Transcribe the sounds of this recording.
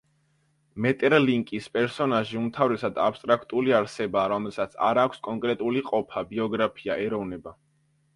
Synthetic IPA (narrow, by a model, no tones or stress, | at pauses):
mɛt̪ʼɛɾliŋkʼispʼɛɾsɔnaʒiumt̪ʰavɾɛsad̪apst̪ʼɾakʰt̪ʼuliaɾsɛbaːɾɔmɛlˠsat̪sʰa̰ɾakʷʰskʼɔŋkʼɾɛt̪ʼuliqʼɔpʰabiɔɡɾapʰiaʔɛɾɔvnɛba